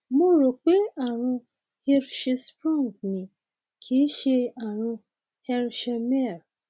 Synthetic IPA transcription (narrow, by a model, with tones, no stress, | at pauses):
mo˦ɾo˨k͡pe˦a˨ɾ̃ũ˧ | he˧ɾʃe˧spɾũ˦˨ŋɡnĩ˨ | kʰi˨˦ʃe˧a˨ɾ̃ũ˧ | hɛ˧ɾʃɛ˧mɛ˦˨ɾ